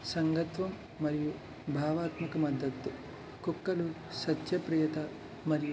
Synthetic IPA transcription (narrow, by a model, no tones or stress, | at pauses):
sɐŋɡɐt̪ʋɐmː | ɐɾiju | bʱaːʋaːt̪mɐkɐmɐd̪ːɐt̪ːu | kukːɐlu | sɐt̪jɐpɾiːjɐt̪ɐ | mɐɾiju